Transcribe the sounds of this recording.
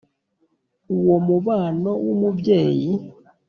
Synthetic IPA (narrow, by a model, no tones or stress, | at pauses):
uwomuβaːnowomuβjeːji